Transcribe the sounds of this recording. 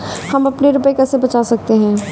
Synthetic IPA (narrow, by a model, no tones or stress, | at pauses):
hɐmɐpneɾʊpəekɛsebɐt͡ʃasɐk̚t̪eɦɛ̃ː